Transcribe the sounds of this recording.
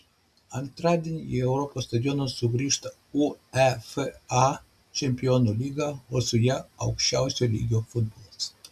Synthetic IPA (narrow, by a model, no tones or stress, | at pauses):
ant̪ɾad̪inʲewɾopost̪ad̪jonosuɡɾiʃt̪a | uɛfa | t͡ʃempionoliɡaosujaa̰wkʃa̰wsʲolʲḭɡʲofud̪̚bols